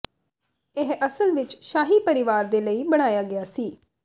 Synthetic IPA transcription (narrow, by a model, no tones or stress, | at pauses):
ɪɦʔəsəlʋɪt͡ʃʃaːɦiːpəɾɪʋaːɾd̪eːləiːbəɽ̃aːjaːɡɪjaːsiː